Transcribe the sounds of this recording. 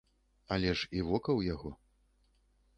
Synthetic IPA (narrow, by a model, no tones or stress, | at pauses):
ɐlʲɛʂivɔkɐwjaɣɔ